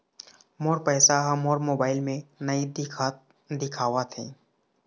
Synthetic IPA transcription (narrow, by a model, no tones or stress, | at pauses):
moːɾpɛːsaɦɐmoːɾmoːbaːɪlmẽnəid̪ɪkʰa | d̪ɪkʰaːwat̪ʰḛː